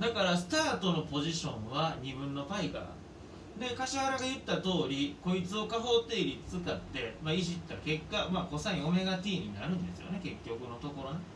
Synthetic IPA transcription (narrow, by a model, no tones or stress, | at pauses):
d̪akaɾasɨ̥t̪aːt̪o̞no̞po̞ʑiɕõ̞ɰ̃βaɲ̟ibɯ̟̃nːo̞paiɡa̰ | d̪e̞kaɕahaɾaɡajɯ̟t̪ːat̪o̞ːɾʲiko̞it͡sɨo̞kaɦo̞ːt̪e̞iɾʲit͡sɨ̥t͡sɨkat̪ːe̞maiʑit̪ːake̞kːamako̞sãĩo̞me̞ɡat̪ʲiːɲ̟inaɾɯ̟̃nd̪esɨjo̞̰ne̞ke̞kʲːo̞kɯ̟no̞t̪o̞ko̞ɾon